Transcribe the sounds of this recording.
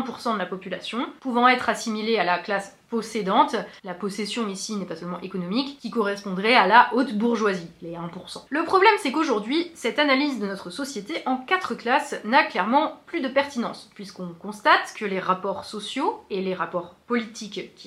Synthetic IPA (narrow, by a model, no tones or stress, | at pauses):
ɛ̃puʁsɑ̃d̪əlapɔpyla̰sjɔ̃puvɑ̃ɛt̪χasimilealaklas | pɔsed̪ɑ̃t̪lapɔsesjɔ̃isinɛpasœlmɑ̃ʔekɔnɔmikːʲikɔʁɛspɔ̃d̪ʁɛalaʔot̪buʁʒwazilɛɛ̃puʁsɑ̰̃ləpχɔblɛmsɛkoʒuʁd̪ɥisɛt̪analizd̪ənɔt̪χəsɔsjet̪eʔɑ̃kat̪χəklasnaklɛʁmɑ̃plyd̪əpɛʁt̪inɑ̃spɥiskɔ̃kɔ̃st̪at̪kəleʁapɔʁsɔsjoeleʁapɔʁpɔlit̪ʰikkʲʰːi